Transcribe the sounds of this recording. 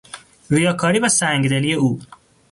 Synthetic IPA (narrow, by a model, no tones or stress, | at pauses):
ɾijɒːkʰɒːɾiːvæsæŋɡd̪elijeuː